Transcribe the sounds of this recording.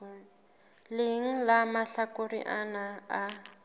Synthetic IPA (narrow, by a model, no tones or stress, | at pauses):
lɪŋ̩lamaɬakorḭʔanaː